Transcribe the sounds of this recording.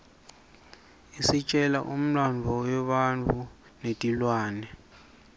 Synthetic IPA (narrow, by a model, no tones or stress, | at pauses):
isit͡ʃʼɛla̰ʔum̩lanvʱɔwɛɓant͡fʰʼu | nedʼʱilwaːnɛ